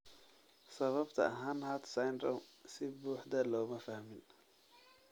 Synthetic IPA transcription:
sɐβɐbt̪ʰɐ̰ɦɐnhɐt̪sajnd̪ɾɔmsɪbuːħd̪ɐlɔːmɐfɐhmɪn

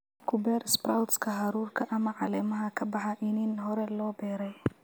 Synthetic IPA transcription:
kʰʊbɛːɾɪsbɾawt̪skʰɐɦɑɾuːrkʰɐʔɐmɐʕɑlɛːmɐɦɐkʰɐbɑħɑʔɪniːnɦɔɾɛlɔːbɛːɾɛj

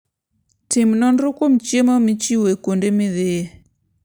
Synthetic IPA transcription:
tɪmnɔnɾʊkom̩t͡ʃemɔmɪt͡ʃiwekondemɪðee

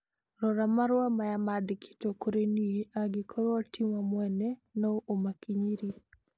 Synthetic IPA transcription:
ɾɔɾamaɾwamajamadkʰi̥tokoɾenieaɡɪkʰoɾɔtʰimamwɛnenoʔomakʰiɲiɾi

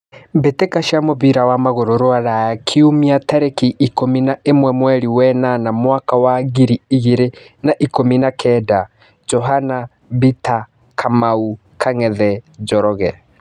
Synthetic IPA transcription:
betekaʃiamoβiɾawamaɣoɾoɾoaɾajakʰiumiataɾekiʔkominaemwɛmwɛɾiwɛnanamwakawaɣiɾiiɣiɾe | naʔikominakʰɛda | d͡ʒɔɦana | bita | kʰamau | kʰaŋɛðɛd͡ʒɔɾɔɣɛ

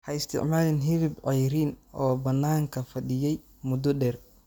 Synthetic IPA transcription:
hɐɪst̪ʰɪ̰ʕmaːlɪnɦɪɾɪbʕɛjɾiːnɔːbɐnːaːŋkʰɐfɐɗɪjɛj | mʊd̪ɔɖɛːr

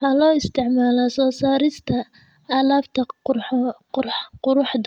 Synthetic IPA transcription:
halɔːɪst̪ʰɪʕmaːlɐsɔːsaːɾɪst̪ʰɐ | aːlaːbt̪ʰɐ | qʊɾʊħd̪

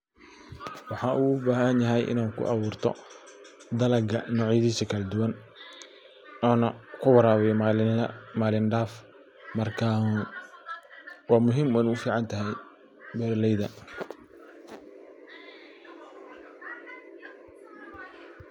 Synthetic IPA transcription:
wɑħɑːʔuːʊbaːɦɐnjɐɦɛjʔɪ̰naːnkʰʊ̰ʔɑβuːrt̪ʰɔ̰ | d̪ɐlɐɡɐnɔːʕjɐðiːsɐkʰɐlɛd̪ʊwɐn | ɔːnɐkʰʊwɑɾaːwɛj | maːlɪnɖaːf | mɐrkʰa | wɑːmʊɦɪmɛnuːfiːʕɑnt̪ʰɐɦɛj | bɛːrlɛjðɐ

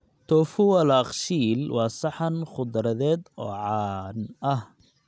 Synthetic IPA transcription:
t̪ʰɔfʊwɐlɑːqʃiːlwɑːsɑħɑnχʊd̪ɾɐðɛːd̪ɔ̰ːʕɑːnʔɐh

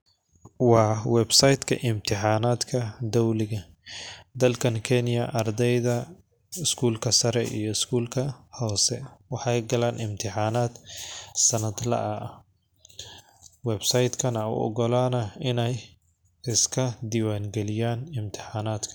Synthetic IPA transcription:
wɑːwɛbsɐjd̪kʰɐ̰ʔɪmt̪ʰɪħaːnaːd̪kʰɐd̪ɔwlɪɣɐ | d̪ɐlkʰɐnkʰɛnɪjɐʔɐrd̪ɛjðɐ | ɪskʰuːlkʰɐsɐɾɛḭjɔɪskʰuːlkʰɐhɔːsɛ̰wɑħɑjɡɐlaːnʔɪmt̪ʰɪħaːnaːd̪sɐnɐd̪lɐ̰ʔɐ | wɛbsɐjd̪kʰɐnɐʊ̰ɔ̰ɡɔlaːnɐɪnɛj | ɪskʰɐd̪ɪwaːŋɡɛlɪjaːnɪmt̪ʰɪ̥ħaːnaːd̪kʰɐ̥

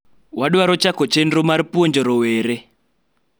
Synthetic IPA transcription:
waɗuwaɾɔt͡ʃakɔt͡ʃɛndrɔmaɾipuɔnd͡ʒɔɾɔwɛːɾɛ

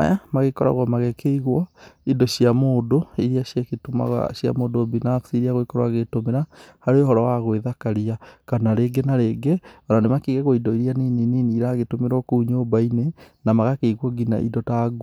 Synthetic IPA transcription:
a̰jamaɣekɔɾa̰ɣwɔmaɣekʰeiɣwɔidɔʃiamoːdoiɾiaʃjaketoma̰ɣa̰ʃja̰modobinafsiɾiaɣoikɔɾwaɣetomeɾahaɾeoɦɔɾɔwaɣoeðakaɾiakanaɾeɡenaɾeɡeɔɾanemakiɣɛɣoidɔiɾianinininiɾaɣetomeɾɔkuuɲoːbainenamaɣakeiɣwɔɡina̰ʔḭdɔtaɡ

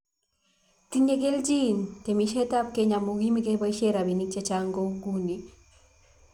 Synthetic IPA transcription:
tiɲeɡeld͡ʒintɛmiʃɛtap̚keɲamuɡimikebaʃeɾabinit͡ʃet͡ʃaŋɡoɡuni

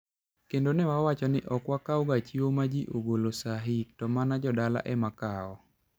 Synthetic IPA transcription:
kendonɛwawat͡ʃɔnɪʔɔkwakaɔɡat͡ʃiomad͡ʒiʔoɡolosaɦik̚tɔmanad͡ʒɔdala̰ʔɛmakaɔ

